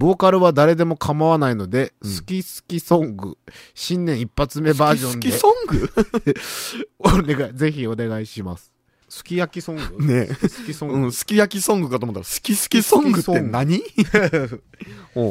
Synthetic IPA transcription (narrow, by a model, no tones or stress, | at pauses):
bo̞ːkaɾɯ̟βad̪aɾe̞d̪e̞mo̞kʰamaβanaino̞d̪e̞sɨ̥kʲisɨ̥kʲisõ̞ŋɡɯ̟̰ɕĩnːẽ̞ɰ̃ipːat͡sɨme̞baːʑõ̞ndisõŋɡɯ | oneɡaize̞çio̞ne̞ɡaiɕimasɨ̥ | sɨ̥kʲijakʲisõ̞ŋɡɯnesɨ̥kʲisõɯ̟̃sɨ̥kʲijakʲisõ̞ŋɡɯ̟kat̪omot̪ːaɾasɨ̥kʲisɨ̥kʲisõŋɡɯenaɲ̟i | o